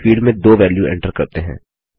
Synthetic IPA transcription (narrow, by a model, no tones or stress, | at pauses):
fiːɖmẽd̪oːʋɛːljuɛ̰̃ɳʈəɾkɐɾt̪eɦɛ̰̃ː